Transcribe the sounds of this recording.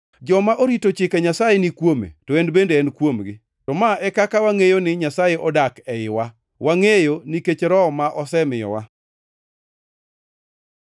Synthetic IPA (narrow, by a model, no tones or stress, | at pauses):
d͡ʒɔmaʔoɾitot͡ʃɪkeɲasajenikwomḛtoendbendeɛnkwomɡɪ | tɔmaʔɛkakawaŋejonɪɲasajeʔɔdakɛɪwa | waŋejoniket͡ʃɾɔmaʔɔsɛmɪjɔ̰wa